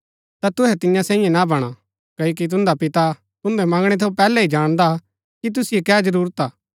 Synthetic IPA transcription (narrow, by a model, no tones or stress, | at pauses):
t̪at̪ʊɦɛt̪ɪjãsɛ̃ːĩjẽnabɐɽ̃a | kɐok̬it̪̬ʊ̃nd̪apɪt̪a | t̪ʊ̃nd̪ɛmɐ̃ŋɡɽ̃ɛt̪ʰepɛːlɛid͡ʒaːɽ̃d̪a | kit̪̬ʊsijekɛːd͡ʒɐɾuːɾət̪aː